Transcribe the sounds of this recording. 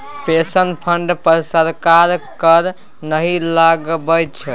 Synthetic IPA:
pesənpʰəɳɖpəɾsəɾkaɾkəɾ | nəɦilaɡbəjt͡ʃʰɛ

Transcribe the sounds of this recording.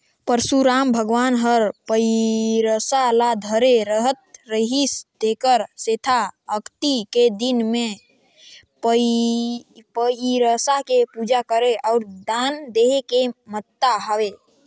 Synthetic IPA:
pəɾsuɾambʱəɡʋanɦəɾpəɾəsalad̪ʱəɾeɾəɦət̪̚ɾəɦisd̪ekəɾset̪ʰaəkt̪iked̪inme | pə | pəiɾəsakepud͡ʒakəɾeɔʊɾd̪and̪eɦekemət̪ːaɦəwe

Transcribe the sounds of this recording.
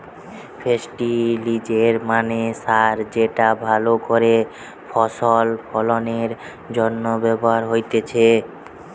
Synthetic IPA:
fʰesʈilid͡ʑeɾmanesaɾd͡ʑeʈabʱalokoɾe | fʰɔʃolfʰɔloneɾ | d͡ʑɔnːobɛboɦaɾɦojt̪et͡ɕʰe

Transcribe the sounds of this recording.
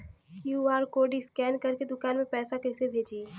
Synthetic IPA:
kuaːɾkoːɖiskɛːnkəɾked̪ʊkaːnmẽpɛːsakɛɦsebʱeːd͡ʒieː

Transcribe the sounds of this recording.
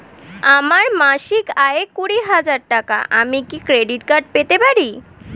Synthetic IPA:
amaɾmaʃikaekuɽiɦad͡ʑaɾʈaka̰ʔamikikɾeɖiʈkaɾɖ̚pet̪epaɾi

